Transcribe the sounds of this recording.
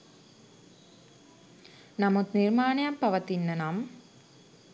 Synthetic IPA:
namut̪nirmaːnejapːɐʋɐt̪inːɐnam

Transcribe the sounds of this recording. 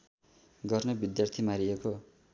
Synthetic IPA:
ɡʌrnʌbid̪jart̪ʰimaɾieko

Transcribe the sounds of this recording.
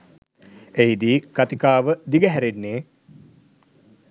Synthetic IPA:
eɦid̪iːkat̪ikaːʋəd̪iɡəɦæɾenːeː

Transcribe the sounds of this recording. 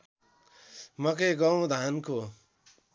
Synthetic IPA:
mʌkeɡʌw̃d̪ʱanko

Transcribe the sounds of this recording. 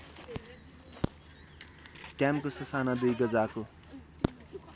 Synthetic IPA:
kjamkosʌsanad̪ujɡʌd͡zako

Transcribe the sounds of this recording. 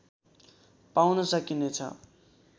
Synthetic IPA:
pawnʌsʌkinet͡sʰʌ̰

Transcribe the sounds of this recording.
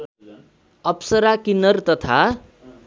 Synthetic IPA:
ʌpsʌɾakinʌrt̪ʌt̪ʰa

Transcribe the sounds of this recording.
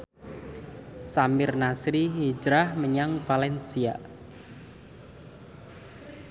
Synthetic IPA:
samɪrnasɾiɦid͡ʒɾahməɲaŋfalɛnsia̰

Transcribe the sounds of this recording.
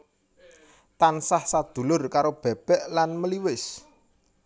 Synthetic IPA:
t̪ansahsad̪̥ṳlʊrkaɾob̥ɛ̤b̥ɛ̤ʔlanməliwɪs

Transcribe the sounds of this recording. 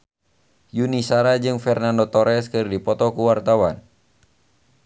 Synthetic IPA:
junisaɾad͡ʒɨŋfɛrnandɔt̪ɔɾɛskɨrdipɔt̪ɔkuwart̪awan

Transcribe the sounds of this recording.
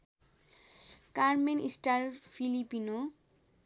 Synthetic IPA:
kaɾmenḭsʈaɾpʰilipino

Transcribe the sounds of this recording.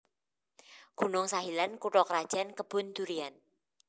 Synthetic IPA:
ɡ̥ṳnʊŋsaɦilankuʈɔkɾad̥ʒ̥ankəb̥ʊ̤nd̪uɾian

